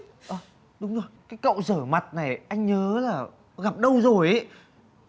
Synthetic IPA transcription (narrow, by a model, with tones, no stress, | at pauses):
ʔəː˨˧˩ | ɗʊ˨˦ŋ͡mzo˨˩jkaː˨˦jkə̰˧˨wzəː˧˩ma˨˩t̚na˨˩jʔa˧jŋ̟ɲəː˨˦laː˨˩ | ɣa˨˩p̚ɗə˧wzo˨˩jʔə˨˦